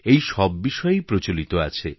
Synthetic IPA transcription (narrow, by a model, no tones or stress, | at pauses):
ejʃɔbːiʃɔjepɾot͡ʃolit̪oa̰t͡ʃʰe